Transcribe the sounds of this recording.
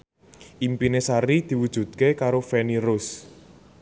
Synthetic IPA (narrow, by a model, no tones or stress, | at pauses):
ʔimpinesaɾid̪̥i̤wud̥ʒ̥ṳd̪̥̚kekaɾofeniɾʊs